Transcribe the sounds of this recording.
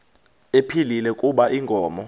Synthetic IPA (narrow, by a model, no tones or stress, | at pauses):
epʰililɛkʼuɓaʔiŋɡʱɔːmɔ